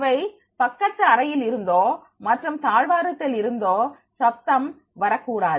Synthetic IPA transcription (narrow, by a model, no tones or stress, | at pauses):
ʋɐɪ | pɐkːɐtrɐɾɐjɪlɪɾɯnd̪oː | mɐʈrɯmt̪aːɻʋaːɾɐt̪ːɪlɪɾɯnd̪oː | sɐp̚t̪ɐm | ʋɐɾɐkːuːɽaːð